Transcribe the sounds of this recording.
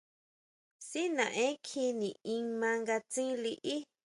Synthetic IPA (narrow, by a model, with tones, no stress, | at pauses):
si˦nã˨ʔẽ˦kʰi˧nĩ˨ĩ˧ŋmã˧ŋɡa˧t͡sĩ˦li˧ʔi˦